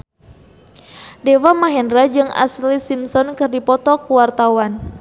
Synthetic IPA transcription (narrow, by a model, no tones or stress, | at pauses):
dewamaɦɛndɾad͡ʒɨŋa̰slisimsɔnkɨrdipɔt̪ɔkuwart̪awan